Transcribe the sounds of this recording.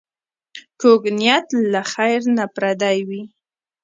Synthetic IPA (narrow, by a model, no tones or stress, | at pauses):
koɡnijat̪laxajɾnapɾad̪ajwi